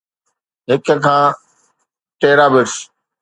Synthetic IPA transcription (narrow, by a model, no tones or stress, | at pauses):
ɦɪkəkʰãː | ʈeːɾaːbɪɾs